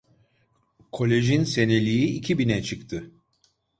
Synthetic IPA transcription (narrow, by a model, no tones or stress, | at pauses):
kʰo̞lʲe̞ʒinse̞ne̞lʲijiicʰibinɛt͡ʃʰɯkt̪ʰɯ